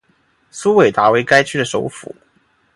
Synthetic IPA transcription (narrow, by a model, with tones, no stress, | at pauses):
su˥we˨˩ɪt̪a˧˥we˧˥ɪka˥ɪt͡ɕʰy˥d̪ə˨˩ʂo˧˥ʊfṵ˨˩˦